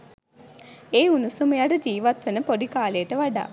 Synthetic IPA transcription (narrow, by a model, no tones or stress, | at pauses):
eːunusumujaɖəd͡ʒiːʋat̪ʋenəpod̪ikaːlejəʈəʋaɖa̰ː